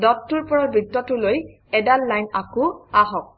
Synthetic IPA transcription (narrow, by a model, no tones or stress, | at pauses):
dɔtːuɹpɔɹɔbɹitːɔtʊloj | ɛdalːajnakʊaɦɔk̚